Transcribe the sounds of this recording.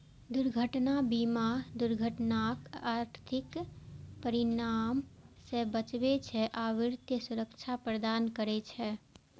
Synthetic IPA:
d̪uɾɡʱəʈnabimad̪uɾɡʱəʈnakaɾt̪ʰɪkpəɾinamsebət͡ʃbet͡ʃʰɛʔaʋɪɾt̪jəsuɾəkt͡ʃʰapɾəd̪aːnkəɾɛt͡ʃʰɛ

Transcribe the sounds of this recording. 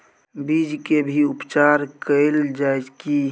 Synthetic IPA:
bid͡ʒkebʱiʊpt͡ʃaːɾkəld͡ʒaɪki

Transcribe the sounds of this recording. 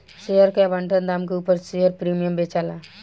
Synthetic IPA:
sejəɾkeɐbə̃ɳʈənd̪aːmkeuːpəɾsejəɾpɾiːmijəmbeːt͡ʃaːlaː

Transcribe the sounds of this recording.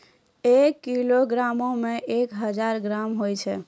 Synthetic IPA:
ekːiloɡɾamomẽʔekɦəd͡ʒaɾɡɾamɦojt͡ʃʰɛ

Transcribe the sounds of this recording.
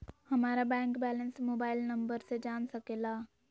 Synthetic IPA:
hɐmaːɾabɛ̃ːŋkbɛːlə̃nsmoːbaːɪlnɐ̃mbəɾsed͡ʒaːnsəkeːlaː

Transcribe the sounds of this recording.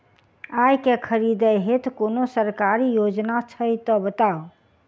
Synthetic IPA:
ajkekʰəɾid̪əɦet̪ʰkonosəɾkaɾijod͡ʒnat͡ʃʰəjt̪ɔbət̪ao

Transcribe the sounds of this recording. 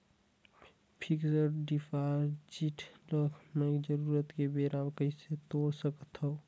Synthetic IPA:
pʰiksəɾɖipʰaɾd͡ʒiʈʰləkʰnəid͡ʒəɾuɾət̪kebeɾamkəĩset̪oɽsəkət̪ɦɔ

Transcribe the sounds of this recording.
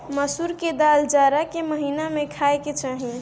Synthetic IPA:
məsuɾked̪ald͡ʒaɾakeməɦinamẽkʰaeket͡ʃaɦi

